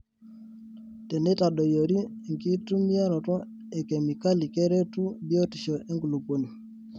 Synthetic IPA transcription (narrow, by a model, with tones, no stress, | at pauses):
tɛ˨ne˦ta˨ɗo˨jo˨ɾi˦˨ŋki˦tu˦mi˦a˦ɾɔ˨tɔ˦ | e˨kɛ˨mi˨ka˦li˨kɛ˦ɾe˦tu˦bi˦o˦ti˨ʃo˨ʔe˦ŋɡu˨lu˨po˨ni˨